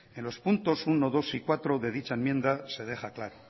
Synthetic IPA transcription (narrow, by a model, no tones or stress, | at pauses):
e̞nlo̞spunt̪o̞suno̞ðo̞sikwat̪ɾo̞ðe̞ðit͡ʃae̞mjẽ̞nd̪ase̞ðe̞xaklaɾo